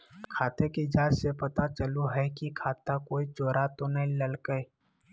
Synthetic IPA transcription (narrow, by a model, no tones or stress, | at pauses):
kʰaːt̪ekid͡ʒaːd͡ʒsepɐt̪at͡ʃəluɦɛkikʰaːt̪akoːit͡ʃoːɾat̪onəɦĩləlkəe